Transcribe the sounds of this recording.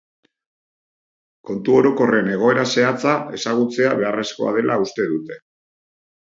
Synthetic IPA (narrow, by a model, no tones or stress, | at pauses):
ko̞nt̪uo̞ɾo̞ko̞re̞ne̞ɣ̞o̞e̞ɾase̞at͡sae̞saɣ̞ut͡se̞aβ̞e̞are̞sko̞a̰ð̞e̞lʔaust̪e̞ðut̪e̞̥